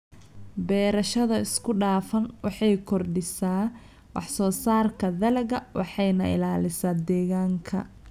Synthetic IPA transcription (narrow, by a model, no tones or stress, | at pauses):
bɛːɾɐʃɐðɐɪskʰʊɖaːfɐnwɑħɑjkʰɔrɖɪsaː | wɑħsɔːsaːrkʰɐðɐlɐɣɐwɑ̰ħɑjnɐ̰ʔɪ̰laːlɪsaːd̪ɛːɣaːŋkʰɐ̰